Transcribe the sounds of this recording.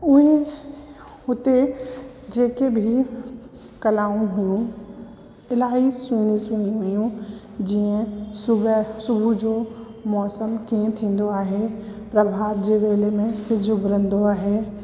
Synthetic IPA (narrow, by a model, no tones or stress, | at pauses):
ʊɦe | hʊt̪e | d͡ʑeːkebʱi | kɐlaːũɦujũ | ɪlaːɦisĩːnĩsiːnĩɦujũ | d͡ʑiːə̃sʊbsʊbʱud͡ʑoː | mɔːsəmkiə̃t̪ʰĩːn̆d̪oaːɦepɾɐbʱaːət̪̚d͡ʑeːʋeːlemẽsɪd͡ʑʱʊbɾə̃nd̪oaːɦeː